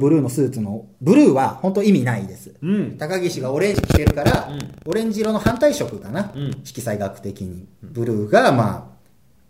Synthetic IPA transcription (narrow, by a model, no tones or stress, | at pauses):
bɯ̟ɾɯ̟ːno̞sɨːt͡sɨno̞ | bɯ̟ɾɯ̟ːβaho̞nt̪o̞imʲinaid̪e̞sɨ̥̃t̪akaɡʲiɕiɡao̞ɾẽ̞ɲ̟d͡ʑikʲi̥t̪e̞ɾɯ̟kaɾao̞ɾẽ̞ɲ̟d͡ʑiɾo̞no̞hãnt̪aiɕo̞kɯ̟kanaɕi̥kʲisaiɡakɯ̟̥t̪e̞kʲiɲ̟ibɯ̟ɾɯ̟ːɡama̰ː